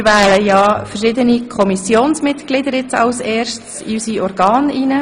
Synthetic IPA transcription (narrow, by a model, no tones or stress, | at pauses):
ʋɛːləjɑːfərʃɪd̪ənikʰɔmisjoːnsmɪt̪ɡ̥lɪd̪əɾɪt͡sɑ̰wsɛːɾʃtsḭysiɔɾɡɑːninə